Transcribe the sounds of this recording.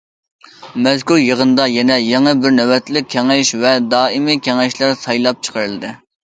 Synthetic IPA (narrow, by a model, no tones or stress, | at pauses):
mɛzkʲuɾjəʁənd̪ɑjɛnɛjɛŋəbɪɾnɛwɛt̪lɪk̚ʲʰːɛŋɛʃvɛd̪ɑːimikʲʰɛŋɛʃlˠæɾsɑjlˠɑp̚t͡ʃʰə̥qʰəɾɨlˠɨd̪ɨ